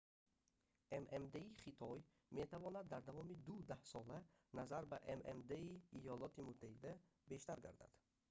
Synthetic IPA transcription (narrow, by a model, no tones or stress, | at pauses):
ʔememd̪eiχit̪ʰɔj | met̪ʰavɔnad̪ːaɾd̪avɔmid̪ud̪ahsɔlænazaɾbæʔemʔemd̪eiːjɔlɔt̪imut̪ʰːahid̪æ | be̞ʃt̪aɾɡa̰ɾd̪a̰d̪̥